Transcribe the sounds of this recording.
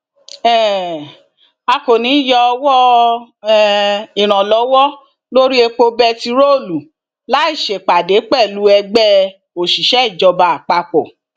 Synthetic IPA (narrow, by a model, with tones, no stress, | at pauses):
ɛ˦˨ | a˧ko˨nĩ˨˦jɔ˧wɔ˦ | i˨ɾ̃ã˨lɔ˨˦wɔ˦ | lo˦ɾi˦e˧k͡po˧bɛ˦ti˧ɾo˦˨lu˨ | la˨˦i˦˨ʃe˨k͡pa˨de˨˦k͡pɛ˦˨lu˨˦ɛ˧ɡ͡bɛ˦ | o˨ʃi˨ʃɛ˦i˦˨d͡ʒɔ˧ba˧a˨k͡pa˧k͡pɔ˨